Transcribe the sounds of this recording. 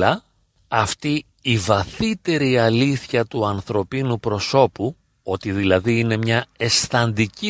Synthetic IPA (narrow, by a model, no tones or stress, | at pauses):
ɐ | ɐft̪i | ivɐθit̪e̞ɾiɐliθçɐt̪uɐnθɾo̞pinupɾo̞so̞pu | o̞t̪iðilɐðiine̞mɲɐe̞sθɐnd̪ici